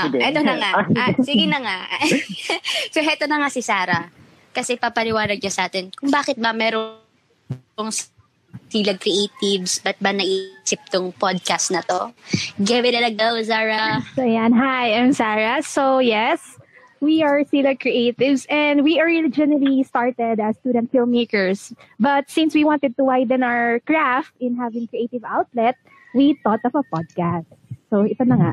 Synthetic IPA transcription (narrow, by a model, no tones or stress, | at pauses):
ʔɛt̪onɐŋaɐsiɡɪnɐŋa | sohɛt̪onɐŋasɪsaːɾɐ | kɐsɛpapɐlɪwaːlɐɡ̚ɲɐsɐʔaːt̪ɛnkʊŋbaːkɛt̪̚bɐmɛːɾo | oŋs | siːlɐɡ̚kɾɛʔejt̪ɪvsbɐt̪̚bɐnɐʔisɪp̚t̪ʊŋpod̪̚kast̪̚nɐt̪o̞ɡɛwɛd̪ɐlɐɡɐwsaːɹɐsojanɦajʔãmsaːɹɐsojɛs | wiaɹsilɐkɹiʔeɪt̪ɪvsʔɛ̃nd̪wiʔɔɹid͡ʒɪnɐlist̪aɹt̪ɛd̪ɐst̪uːd̪ɛ̃nt̪fɪlmːeːkɛɹs | bɐt̪̚sĩnswiwãnt̪ɛd̪̚t̪ʊwajd̪ɛ̃naɹkɹaft̪ɪ̃nɦavɪ̃ŋkɹiʔeɪt̪ɪvawt̪lɛt̪̚ | wit̪ɔt̪ɔfɐpɔd̪̚kast̪soɪt̪ɐnɐŋaʔ